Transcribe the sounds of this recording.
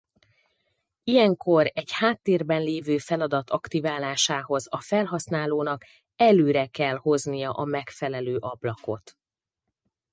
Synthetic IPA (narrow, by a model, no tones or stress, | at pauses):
ijɛŋko̞ɾɛɟhaːt̪ːeːrbɛnleːvøːfɛlɒd̪ɒt̪ʰɒkt̪ivaːlaːʃaːɦo̞zɒfɛlɦɒsnaːloːnɒk | ɛløːɾɛkɛlho̞znijɒʔɒmɛkfɛlɛløːʔɒblɒko̞̰t̪